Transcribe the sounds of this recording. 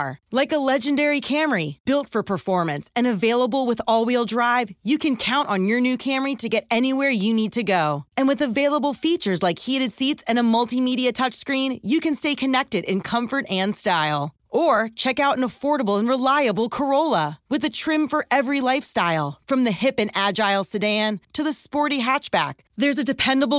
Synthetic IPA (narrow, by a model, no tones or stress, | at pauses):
laɪkəlɛd͡ʒɨ̃ndɛɹikʰæmə˞ib̥ɪlˠtfə˞pʰə˞fɔɹmɨ̃nsɨ̃nɨveɪlˠəbl̩ˠwəðɔlˠwilˠdɹaɪvjɨkʰɨ̃nkʰãʊ̃nʔn̩jə˞nʉkʰæ̃mə˞iɾɨɡɛɾɛñiwɛɹjɨnid̚tʰɨɡoʊɨ̃nwɨðɨveɪlˠəbl̩ˠfit͡ʃə˞zlaɪkhiɾɨd̥sitsɨ̃nəmʌlˠtimiɾiɨtʰʌt͡ʃskɹĩnjɨkɨ̃nsteɪkʰɨnɛk̚tɨɾɨ̰̃nkʰʌ̃ɱfə˞ɾɨ̃nstaɪlˠ | ʔə˞t͡ʃʰɛkaʊɾ̃nəfɔɹɾəbl̩ˠə̃nɹɨlaɪɨbl̩ˠkʰə˞oʊlˠəwɨðɨtʰɹ̥ɪ̃ɱfə˞ʔɛvɹilaɪfstaɪlˠfɹʌ̃mðɨhɪpɨ̃næd͡ʒaɪlˠsɨdæ̃ntʰɨðɨspɔɹɾiɦæt͡ʃb̥æ̰k̚ðə˞zɨdɨpʰɛ̃ndəbl̩ˠ